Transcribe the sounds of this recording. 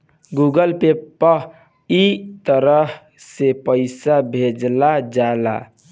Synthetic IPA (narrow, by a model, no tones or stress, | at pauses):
ɡuɡəlpepːə | it̪əɾəɦ | sepəɪsabʱed͡ʒlad͡ʒala̰